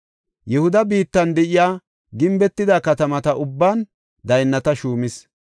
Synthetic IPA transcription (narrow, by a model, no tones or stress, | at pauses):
jɛhʊd̪ɐbiːt̪ːɐnd̪ɛʔɪjaː | ɡɪmbɛt̪ːɪd̪akɐt̪ɐmɐt̪ɐʔʊbːaːn | d̪ɐjnːɐt̪ɐʃuːmɪs